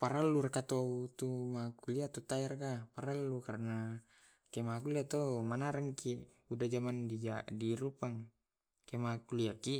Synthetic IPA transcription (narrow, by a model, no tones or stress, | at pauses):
paɾalːuɾakat̪out̪umakuliat̪ot̪ajaɾakapaɾalːukaɾana | kemakuliat̪omanaɾaŋki | udad͡ʒamandid͡ʒadiɾupaŋ | kemakuliaki